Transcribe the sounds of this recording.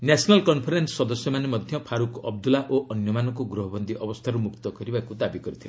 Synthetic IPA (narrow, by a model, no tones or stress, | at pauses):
njasʰnɔlkɔnpʰɔɾenssɔd̪ɔsjɔmanemʌd̪ʱjʌpʰaɾukɔb̚d̪ulaʔoʔʌnjɔmanɔkoɡɾuɦɔbɔnd̪iʔʌbɔst̪ʰaɾumukt̪ɔɡʌɾibakud̪abiɡɔɾut̪ʰijõ